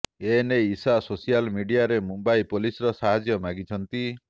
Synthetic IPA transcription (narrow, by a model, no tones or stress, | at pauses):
eneisasosijalmiɖijaɾemubaipolisɔɾɔsaɦad͡ʒjɔmaɡit͡ʃʰɔnt̪i